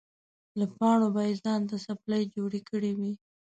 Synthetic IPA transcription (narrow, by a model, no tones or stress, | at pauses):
lapɑɳ̃obaizɑnt̪asaplajd͡ʒoɽikəɽiwi